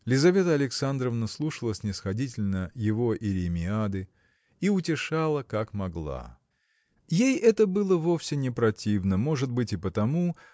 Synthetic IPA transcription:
lʲɪzɐvʲe̞t̪əɐlʲɪksand̪ɾəvnəslˠuʂəlˠəsʲnʲɪsxɐdʲitʲɪlʲnəjɪvo̞ʔɪɾʲɪmʲɪad̪ɨ | iʊtʲɪʂalˠəkakmɐɡlˠa̰ | jejɛt̪əbɨlˠəvo̞fsʲɪnʲɪpɾɐtʲivnəmo̞ʐɨd̪̚bɨtʲɪpət̪ɐmu

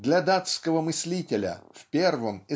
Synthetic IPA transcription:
d̪lʲɐd̪at̪skəvəmɨsʲlʲitʲɪlʲə̰fʲpʲervəmɪ

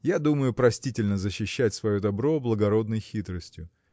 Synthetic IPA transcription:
jad̪uməjʊpɾɐsʲtʲitʲɪlʲnəzəɕːɪɕːætʲsvɐjo̞d̪ɐbɾo̞blˠəɡɐɾo̞d̪nəjxʲit̪ɾəsʲtʲjʊ

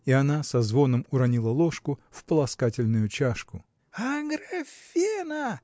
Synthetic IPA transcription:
iɐnasɐzvo̞nəmʊɾɐnʲilˠəlˠoʂkʊfpəlˠɐskatʲɪlʲnʊjʊt͡ɕaʂkʊ | ɐɡɾɐfʲinɐ

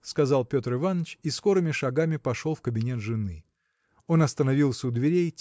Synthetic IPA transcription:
skɐzɑlˠpʲo̞t̪rɨvanːət͡ɕisko̞ɾɨmʲɪʂɐɡamʲɪpɐʂo̞lˠfkəbʲɪnʲe̞t̪ʐɨnɨ | o̞nɐst̪ənɐvʲilˠsʲəʊd̪vʲɪɾʲej

